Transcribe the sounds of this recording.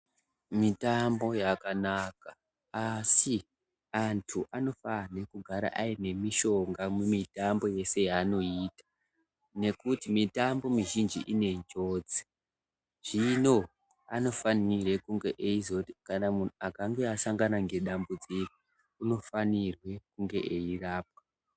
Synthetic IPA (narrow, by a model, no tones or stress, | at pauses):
mitambo̞jakanaka | asi | antʰuʔano̞fane̞kuɡʱaɾa̰ʔaine̞miʃo̞ŋɡamwemitambo̞je̞se̞jaːno̞iːtḁ | ne̞kutimitambo̞miʒind͡ʒḭʔine̞nd͡ʒo̞ːd͡ze̥ | ʐ̥ino̞ | ano̞fanirekuŋɡe̞ʔeizotkanamun̤uakaŋɡe̞asaŋɡanaŋɡe̞ɗambud͡ziko̥ | uno̞fanirwe̞kuŋɡe̞̰ʔeiraːp̚a